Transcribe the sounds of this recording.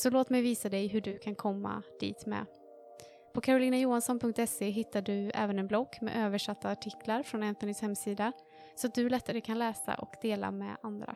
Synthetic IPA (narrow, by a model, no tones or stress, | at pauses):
sɔloːt̪mɛjviːsad̪ɛjɦɵɖɵkʰankʰɔmːa̰d̪̥ḭːt̪mɛ̰ː | pʰɔkʰaɾʊliːnajuːansɔnpʰɵŋk̚t̪ɛseːɦɪt̪ːaɖɵɛ̰ːvənɛnblɔkːmɛ̰ʔøːvəʂat̪ʰːaːʈʰɪklaɾfɾɔnɛnt̪ɛnɪshɛmsiːd̪a | sɔat̪̚d̪ɵæɭɛt̪ːaɾəkʰanlɛːsa̰ʔɔkd̪eːla̰mɛ̰and̪ɾa̰